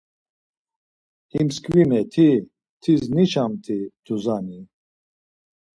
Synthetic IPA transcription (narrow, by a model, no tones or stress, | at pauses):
himskʰʼvimɛt̪ʰi | t̪ʰiznit͡ʃʰamt̪ʰid̪̥uzani